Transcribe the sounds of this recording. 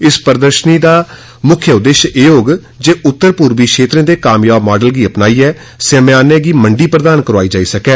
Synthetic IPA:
ɪspəɾəd̪əɾʃəniːd̪aː | mʊkʰːjəʊd̪ːeːʃeːoːɡ | d͡ʒeːʔʊt̪ːəɾpuːɾbiːkʃeːt̪ɾãːd̪eːkaːmjaːbmaːɖəlɡiːəpnaːiːɛː | semaːneːɡiːməɳɖiːpɾəd̪aːnkəɾaːiːd͡ʒaːiːsəkɛː

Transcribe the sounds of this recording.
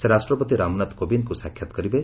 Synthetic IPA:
seɾasʈɾɔpɔt̪iɾamnat̪kobinkusakʰːjat̪ɔ̥kɔɾibe

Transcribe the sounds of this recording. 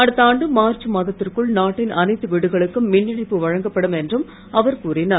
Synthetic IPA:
ɐɽɯt̪ːɐaːɳɖɯmaːrt͡ʃːɯmaːðɐt̪ːɪrkɯɭnaːʈːɪnʔɐnɐɪt̪ːɯʋiɽɯɣɐɭɯkːɯmːɪnːɪɳɐɪpːɯʋɐɻɐŋɡɐpːɐɽɯmɛndrɯm | ɐʋɐɾkuːrɪnɐ

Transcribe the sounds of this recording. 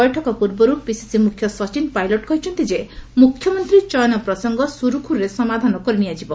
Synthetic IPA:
ɔjʈʰɔkɔpuɾbɔɾupisi̥simukʰjɔsɔt͡ʃinpajlɔʈkɔɦit͡ʃʰɔnt̪id͡ʒemukʰːjɔmɔnt̪ɾit͡ʃɔjɔnɔpɾɔsɔŋɡɔsuɾukʰuɾesɔmad̪ʱanɔkɔɾiniad͡ʒibɔ

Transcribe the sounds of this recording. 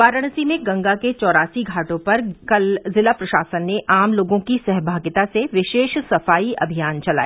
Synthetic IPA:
ʋaːɾəɽ̃simẽɡɐ̃ŋɡaket͡ʃɔːɾaːsiɡʱaːʈõpɐɾkɐlzɪlapɾɐʃaːsənːeʔaːmloːɡõkisɛɦbʱaːɡɪt̪aseʋɪʃeːʃsɐfaːiʔɐ̰bʱijaːnt͡ʃɐla̰ːe

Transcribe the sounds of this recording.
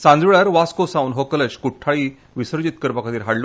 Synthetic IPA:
sãnd͡zʋiɭaɾʋaskosauːnɦokələɕkuʈʰːaɭiː | ʋisəɾd͡ʑit̪̚kəɾpakʰat̪iːɾɦaɽlo

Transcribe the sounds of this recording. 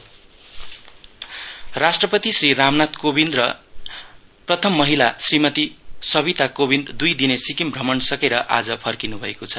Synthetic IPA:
rasʈrʌpʌt̪isriɾamnat̪kobind̪rʌ̰ | prʌt̪ʰʌmːʌɦilasrimʌt̪isʌβit̪akobind̪d̪ujd̪inesikimbʱrʌmʌnsʌkeɾʌʔa̰d͡zʌpʰʌrkinubʱʌekot͡sʰʌ

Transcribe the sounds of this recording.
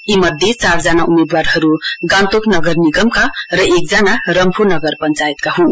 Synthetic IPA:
imʌd̪ʱet͡saɾzanaumed̪waɾhʌɾuɡãnt̪oknʌɡʌɾniɡʌmkʰaɾʌek̚d͡zanaɾʌmpʰunʌɡʌɾpʌnt͡ʃajit̪̚kaɦu

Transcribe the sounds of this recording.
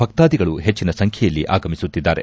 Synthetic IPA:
bʱɐk̚t̪aːd̪iɡɐɭuɦet͡ʃːinɐsɐŋkʰjɐjɐlːiʔa̰ːɡɐmisut̪ːid̪ːaːɾe̞̰

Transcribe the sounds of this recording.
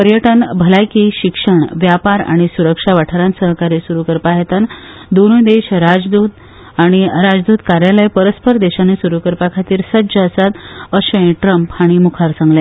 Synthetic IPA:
pəɾjəʈənbʱəlajkiɕikʂəɳʋjapaɾa̰ɽ̃isuɾəkʂaʋaʈʰəɾãnsəɦkaɾesuɾukəɾpaɦet̪an | d̪onud̪eɕɾad͡zd̪uːt̪ | aɽ̃iɾad͡zd̪uːt̪kaɾjaləjpəɾəspəɾd̪eɕanesuɾukəɾpakʰat̪iːɾsəd͡ʑəːsat̪əɕə̃j̃ʈɾəmphaɽ̃imukʰaɾsãŋɡlja

